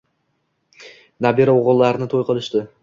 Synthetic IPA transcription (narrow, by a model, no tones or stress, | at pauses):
nabeɾaoʁʊlˠːɑɾnɪt̪ʰojqʰɨlˠɪʃt̪ɪ